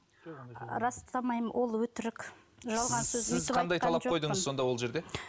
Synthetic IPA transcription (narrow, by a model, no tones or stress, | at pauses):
ɾɑst̪ʰɑmɑjmwʔo̞lˠwɵt̪ɪɾɪkʲ | ʒɑlˠʁɑnsɵzɪzqʰɑnd̪ɑjt̪ʰɑlˠɑppʰo̞jd̪əɴəzzso̞nd̪ɑwolˠʒe̞ɾd̪e̞